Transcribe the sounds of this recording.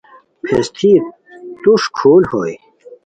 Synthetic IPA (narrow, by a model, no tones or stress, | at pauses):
pʰḛst̪ʰip̚ | t̪uʂkʰuːlho̰j